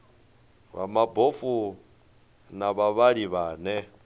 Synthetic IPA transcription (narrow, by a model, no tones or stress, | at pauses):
βa̰mabofu | naβaβaɺiβaːnɛ